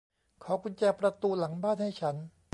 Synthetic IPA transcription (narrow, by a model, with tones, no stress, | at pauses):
kʰɔː˩˦kʰu˧nt͡ɕɛː˧pɾa˧t̪uː˧la˩˦ŋbaː˥˩nha˥˩jt͡ɕʰa˦˥n